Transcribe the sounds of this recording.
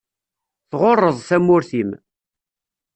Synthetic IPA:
θʁorˤːəðˤθæmːʊɾθim

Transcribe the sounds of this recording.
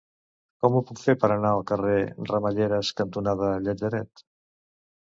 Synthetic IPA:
kɔmupukfeɾpaɾanaokareramaʎeɾaskant̪unaðaʎad͡ʒaɾɛt̪

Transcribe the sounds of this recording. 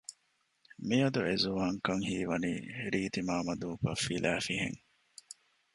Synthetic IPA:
miɐd̪uezuʋaːŋkɐŋhiːʋɐnḭːɾiːt̪imaːmɐd̪uːpɐ̰fːilæːfiɦḛŋ

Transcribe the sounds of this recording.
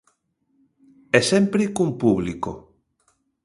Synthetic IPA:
ɛsɛmpɾɪkumpuβliko̰

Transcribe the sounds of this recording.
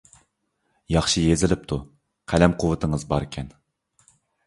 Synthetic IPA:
jɑχʃɨjezɪlɪp̚t̪ʰu | qʰælɛmqʰʊwɨt̪ʰəŋəzbɑɾɪkʲʰɛn

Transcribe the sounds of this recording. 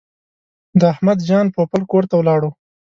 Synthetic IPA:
d̪əahmad̪d͡ʒɑnpopəlkoɾt̪awlɑɽo

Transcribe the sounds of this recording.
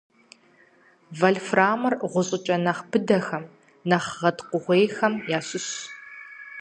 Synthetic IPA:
vɐɮfraːmɐrʁʷʊɕʼɪt͡ʃʼɐnɐχbɨdɐxɐm | nɐχʁɐtqʷʊʁʷejxɐmjaːɕʼɪɕ

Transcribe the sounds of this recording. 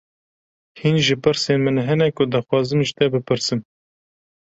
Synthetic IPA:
hinʒɨpɨɾseːnmɨnɦɛnɛkʊd̪ɑxwɑːzɨmʒɪt̪ɛbɨpʰɨɾsɨm

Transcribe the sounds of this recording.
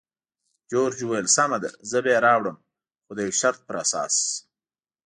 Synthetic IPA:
d͡ʒoːɾd͡ʒuwelsamad̪ḛzəbeɾɑːwɽəm | xod̪əjawʃaɾt̪̚pəɾa̰sɑ̰ːs

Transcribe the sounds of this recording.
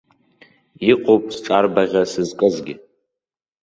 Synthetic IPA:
iqʼopʼsʈ͡ʂʼarbaʁʲasɨzkʼɨzɡʲɪ

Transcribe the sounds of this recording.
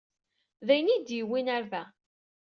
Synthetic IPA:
ðæjnid̪jəwːinaɾvæ

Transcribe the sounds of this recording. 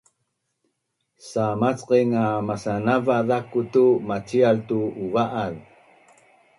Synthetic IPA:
samat͡sqiŋamasanavaðakutumat͡sialtuːvaʔað

